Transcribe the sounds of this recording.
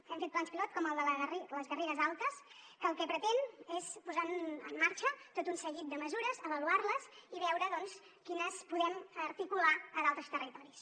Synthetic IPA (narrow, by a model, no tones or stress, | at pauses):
ɛmfet̪̚blanspilɔt̪̚kɔməlˠd̪ələəriləzɣəreɾəzalˠt̪əskəːlˠkɛpɾət̪enespuzaəmːaɾt͡ʃət̪ot̪unsəɣit̪̚d̪əməzuɾəzəβəluarləziβɛwɾəðɔns | kinəspuðɛməɾt̪ikulaəðalˠt̪ɾəst̪ərit̪ɔɾis